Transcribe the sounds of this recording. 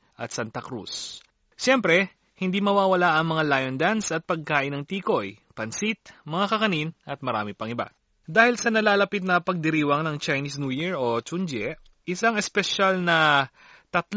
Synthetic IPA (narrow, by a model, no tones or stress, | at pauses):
ʔɐ̰t̪sant̪ɐkɾṵs | ʃɛmpɾɛ | hɪnd̪imɐwaːwɐlaʔɐŋmɐŋalajond̪ansɐt̪̚pɐɡ̚kaːʔɪnːɐŋt̪iːko̞jpɐnsit̪̚mɐŋakɐkɐninɐt̪̚mɐɾa̰ːmɪpɐŋɪba̰ | d̪aːhɪlsɐnɐlaːlɐpit̪̚nɐpɐɡ̚d̪ɛɾiːwɐŋnɐŋt͡ʃɐjnisnujiɹot͡ʃʊnd͡ʒɛ | ʔɪsaŋɛspɛʃalnɐ | t̪ɐt̪l